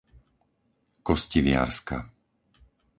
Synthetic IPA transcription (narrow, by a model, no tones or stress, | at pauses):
kɔsciʋɪa̰ɾska̰